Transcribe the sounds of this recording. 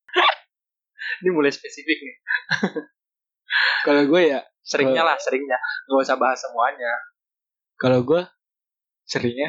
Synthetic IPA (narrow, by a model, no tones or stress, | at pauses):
inimulajspesifɪk̚nɪ | kalaɡuaja | səɾɪŋɲalahsəɾɪŋɲaŋasabaɦasəmuaɲa | kalowɡua | səɾɪŋɲa